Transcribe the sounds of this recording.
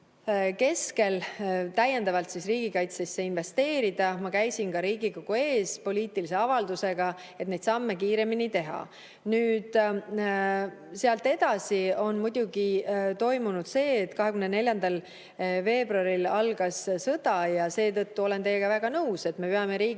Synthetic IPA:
ke̞ske̞lt̪æjːe̞nd̪ɑvɑlt̪sisriːɡ̥ikɑjt̪sesːe̞inve̞st̪e̞ːɾid̪̥ɑmɑkæjsinkɑɾiːɡikoɡ̥ue̞ːspo̞liːt̪ˑilise̞ɑvɑld̪use̞ɡ̥ɑ | e̞t̪ned̪sɑmːekiːɾe̞minit̪e̞ɦɑ̰ | nyːd̪̥ | seɑlt̪ːˑe̞d̪ɑsio̞nmud̪̥ʲuɡ̥it̪o̞jmunud̪̥se̞ːt̪ːˑkɑɦe̞kymnene̞lʲjɑnd̪ɑl | ve̞ːbruɑɾilɑlɡ̥ɑssɤd̪̥ɑjɑse̞ːt̪ɤt̪ːuo̞le̞nt̪e̞jːeɡ̥ɑvæɡ̥ɑnɤuwse̞t̪me̞peɑme̞ɾiː

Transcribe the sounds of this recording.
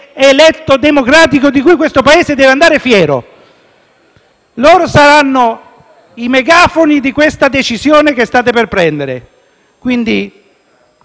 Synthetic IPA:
elɛt̪ːod̪emokɾaːt̪ikod̪ikujkwest̪opaeːzed̪ɛːveand̪aːɾefjɛːɾo̰ | loːɾosaɾanːo | imeɡaːfonid̪ikwest̪ad̪et͡ʃizjoːnek̟est̪aːt̪̬eperpɾɛnd̪eɾḛ | kwind̪i

